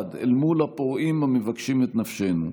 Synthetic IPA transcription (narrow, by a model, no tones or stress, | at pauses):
d̪ḛlmulapoʁimamevakʃimet̪nafʃenṵ